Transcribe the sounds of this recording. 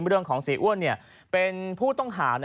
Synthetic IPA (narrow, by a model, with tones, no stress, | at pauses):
mɾɯ˥˩əŋkʰɔː˩˦ŋsiː˩˦ʔu˥˩ənːi˥˩ə | pe˧npʰuː˥˩t̪ɔ˥˩ŋɦaː˩˦n